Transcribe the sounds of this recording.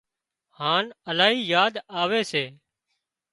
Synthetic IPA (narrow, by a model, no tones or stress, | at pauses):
haːnəlaːɦiːjaːd̪aːʋeːseː